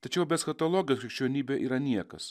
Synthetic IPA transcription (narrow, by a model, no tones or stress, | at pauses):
t̪ɐt͡ʃʲɛʊbʲɛsxɐt̪olˠoːɡʲɪjoːskɾʲɪkʃʲt͡ʃʲuɛnʲiːbʲeːʔḭːɾɐnʲiɛkɐs